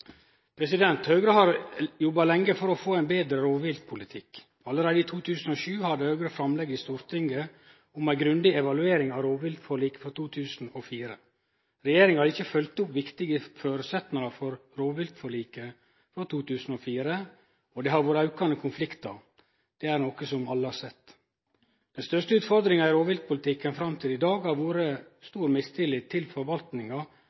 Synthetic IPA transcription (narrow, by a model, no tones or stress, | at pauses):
pʰɾɛsɪd̪ɛnt̪hœːɡɾəɦɑɾjɔbɑlɛŋːəfɔɾɔfoːæɪnbeːd̪ɾəɾoːʋʋɪlt̪̚pʰʊlɪt̪ʰɪk | ɑləɾeːd̪əiːt̪ʰuːt̪ʰʉːsn̩ɔʃʉːhɑd̪əhœːɡɾəfɾɑmlɛɡːɪst̪uːɾt̪ʰɪŋɡə | ʊmæɪɡɾʉnd̪ɪɛʋɑlʉeːɾɪŋɑʋɾoːʋʋɪlt̪fɔɭiːkə̥fɔt̪uːt̪ʰʉːsn̩ɔfiːɾə | ɾɛjeːɾɪŋhɑːd̪ɪçːəfœlt̪ʊpʋɪkt̪ɪɡəføːɾəsɛt̪nəŋɑfɔɾɾoːʋɪlt̪fɔɭiːkə | fɾɑt̪ʰuːt̪ʉːsn̩oːfiːɾə | ɔd̪ɛhɑɾʋuːɾəɑʉkɑnəkʰʊnflɪkt̪ɑ | d̪̥ɛæɾnoːkəsɔmɑlːəhɑɾsɛt̪ː | d̪̥ɛnst̪œʂtəʉːt̪fɔɾd̪ɾɪŋɑɪɾoːʋɪlt̪̚pʰʊlɪt̪ʰɪkːənfɾɑmt̪ʰɪlɪd̪ɑːɡhɑɾʋuːɾəst̪uːɾmɪst̪ʰɪlɪt̪ʰɪlfɔɾʋɑlt̪nɪŋɑ